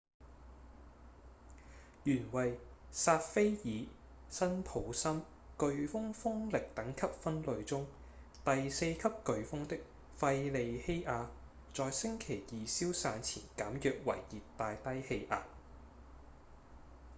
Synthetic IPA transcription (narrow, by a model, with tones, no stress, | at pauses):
jyː˨˩nwɐ˨˩jsaː˧t̚fe˥jjiː˨˧ | sɐ˥npʰo˨˥wsɐ˥m | kɵ˨˧ɥfʊ˥ŋfʊ˥ŋlɪ˨k̚t̪ɐ˨˥ŋkʰɐ˥p̚fɐ˥nlɵ˨˧ɥt͡sʊ˥ŋ | t̪ɐ˨jse˧jkʰɐ˥p̚kɵ˨˧ɥfʊ˥ŋt̪ɪ˥k̚ | fɐ˧jle˨˧jhe˥jʔaː˨˧ | t͡sɔː˨˧jsɪ˥ŋkʰe˨˩jiː˨siː˥wsaː˨˧nt͡sʰiː˨˩nkaː˨˥mjœː˨k̚wɐ̰˨˩jjiː˨tt̪ːaː˧jt̪ɐ˥jhe˧jʔaː˨˧t